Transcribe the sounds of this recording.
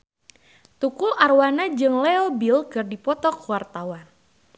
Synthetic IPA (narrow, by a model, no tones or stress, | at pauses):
t̪ukuʔarwanad͡ʒɨŋlɛɔbilkɨrdipɔt̪ɔkuwart̪awan